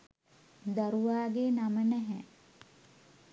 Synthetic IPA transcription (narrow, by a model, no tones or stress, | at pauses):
d̪aɾuʋaːɡeːnamənɛɦɛ